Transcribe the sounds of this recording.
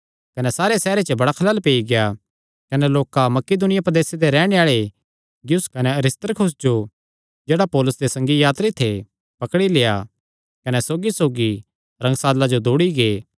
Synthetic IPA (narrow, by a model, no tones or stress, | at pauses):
kɐnɛsaːɾesɛːɾet͡ʃəbɐɽakʰɐlaːlpeːiɡeja | kɐnɛloːkamɐkɪd̪ʊnɪjapɾɐd̪eːsed̪eɾɛːɽ̃eaːɭe | ɡjʊskɐnɛɐɾɪst̪əɾkʰʊsd͡ʒo | d͡ʒeːɽapɔːlʊsd̪esɐ̃ŋɡijaːt̪ɾit̪ʰe | pɐkɽileja | kɐnɛsoːɡisoːɡi | ɾɐ̃ŋɡsaːd̪lad͡ʒod̪oːɽiɡeː